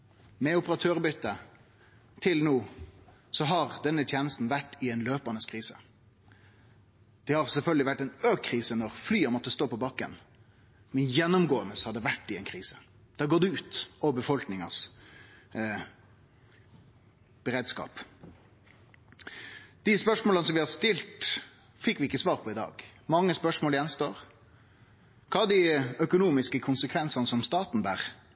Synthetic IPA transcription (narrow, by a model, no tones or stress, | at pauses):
mɛʊpəʁɑt̪ʰøːʁbʏt̪ːə | t̪ʰɪlnuː | sɔɦɑʁd̪ɛnːət̪ʰjeːnəst̪n̩ʋæʈːɪɛnløːpɑnəskʰʁiːsə | d̪̥ɛhɑʁsɛlfœlɡ̪lɪʋæʈːɛnøːkkʰːʁiːsənɔʁflyːəmɔt̪ːəst̪oːpɔbɑkːə̰n | mɛnjɛnːʊmɡoːənəshɑd̪ɛʋæʈːɪɛɪnkʰʁiːsə̥ | d̪̥æːɡoːd̪ɛʉːt̪ɔbəfɔlknɪŋɑ̰s | b̥əɾeːd̪skɑ̰ːp | d̪̥ɪspœʂmoːlɑnsɔmʋɪhɑst̪ɪlt̪ | fɪkːʋɪɪkːəsʋɑːʁpʰɔɪd̪ɑ̰ːɡmɑŋːəspœʂmoːləjɛnst̪oːɾ | kʰɑːd̪iœkʊnuːmɪskəkʰʊnsəkʰʋɛnsɑnəsɔmst̪ɑːt̪n̩bæːʁ